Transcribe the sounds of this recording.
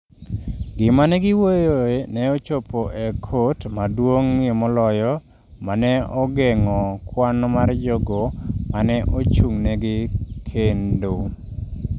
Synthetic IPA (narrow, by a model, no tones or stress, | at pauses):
ɡɪmanɛɡɪwojoenɛot͡ʃopoʔekʰotmadwoŋːɪmɔlɔjɔ | manɛɔɡɛŋɔkwanɔmard͡ʒɔɡomanɛʔot͡ʃuŋnɛɡɪkʰendo